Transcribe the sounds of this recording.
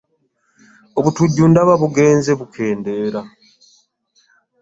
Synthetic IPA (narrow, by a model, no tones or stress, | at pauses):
o̞βutuɟːuːndaβaβuɡe̞ːnze̞βukʰe̞ːnde̞ːɾa